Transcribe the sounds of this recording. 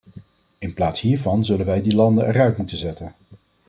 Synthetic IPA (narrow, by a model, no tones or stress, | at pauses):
ɪnplaːtsɦiːɹvɑnzɵlənʋɛjdilɑndəɛrœɥtmutənzɛtən